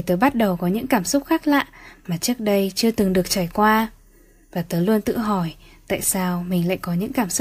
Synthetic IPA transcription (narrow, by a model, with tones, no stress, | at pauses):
jt̪əː˨˦jɓa˦˥t̚ɗə˨˩wkɔ˨˦ɲɨ̰˧˥ŋkaː˧˩msʊ˦˥k͡p̚xaː˦˥k̚la̰ː˧˨maː˨˩t͡ɕɨ˦˥ək̚ɗə˧jt͡ɕɨ˧ət̪ɨ˨˩ŋɗɨ˨˩ək̚t͡ɕaː˧˩jkwaː˧ | vaː˨˩t̪əː˨˦jlu˧ənt̪ɨ̰˧˨ɦɔ˧˩jt̪a̰ː˧˨jsaː˧wmï˨˩ŋ̟la̰ː˧˨jkɔ˨˦ɲɨ̰˧˥ŋkaː˧˩msʊ˦˥